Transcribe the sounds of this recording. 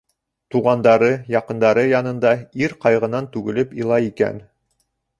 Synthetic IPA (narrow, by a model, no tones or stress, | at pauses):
t̪uʁɑnd̪ɑɾɤjɑqɤ̆nd̪ɑɾɤjɑnɤ̆nd̪ɑiɾqɑjʁɤ̆nɑnt̪ʉɡɘ̆lɘpilˠɑikæ̰n